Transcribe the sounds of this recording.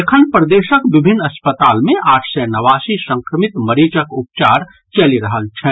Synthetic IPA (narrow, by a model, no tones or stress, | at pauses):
ekʰənpɾəd̪eːʃəkʋɪbʱɪnːɐspət̪aːlmẽʔaːʈʰsɛnɐʋaːsisə̃ŋkɾəmɪt̪mɐɾiːt͡ʃəkʊp̚t͡ʃaːɾ | t͡ʃɐliɾɐɦəlt͡ʃʰɛ